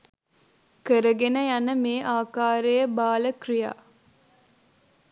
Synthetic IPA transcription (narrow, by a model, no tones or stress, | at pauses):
kəɾəɡenəjanəmeːʔaːkaːɾejəbaːləkrija̰ː